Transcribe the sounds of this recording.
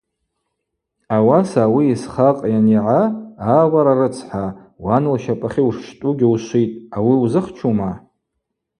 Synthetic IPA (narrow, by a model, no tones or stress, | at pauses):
awasaːwiːsχaqʼjaniʕaawaɾarɨt͡sʰħa | wanɨlʃapʼaχʲiuʂʃtʼuɡʲiuʃʷijtʼawiuzɨχt͡ʃʰuma